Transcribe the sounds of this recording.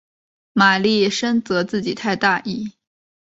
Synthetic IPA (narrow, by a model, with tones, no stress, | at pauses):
ma˨˩li˥˩ʂə˥ŋt͡sɤ˧˥t͡sɹ̩˥˩t͡ɕi˨˩t̪ʰa˥˧ɪt̪a˥˧i˥˩